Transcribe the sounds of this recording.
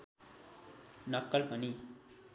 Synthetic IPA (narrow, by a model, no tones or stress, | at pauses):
nʌkːʌlpʌni